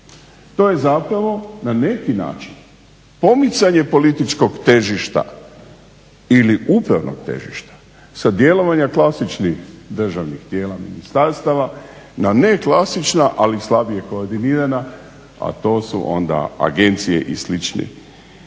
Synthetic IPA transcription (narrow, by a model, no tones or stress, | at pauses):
t̪o̞je̞zapɾaʋo̞nane̞kina̰ːt͡ʃin | po̞mit̪saɲe̞po̞lit̪it͡ʃko̞ɡt̪e̞ʒiʃt̪a̰ | iliʔupɾaʋnʔo̰ɡt̪e̞̰ʒḭʃt̪ḁ | sad̪je̞lo̞ʋaɲaklˠasit͡ʃnixd̪r̩ʒaʋnixt̪je̞ːlamḭnist̪aɾst̪aʋa | nane̞klasit͡ʃnaʔalislˠabije̞ko̞ːɾd̪iniːɾana | a̰t̪o̞ːsṵʔo̰nd̪a̰a̰ɡe̞nt̪sijḛʔḭslit͡ʃnḛ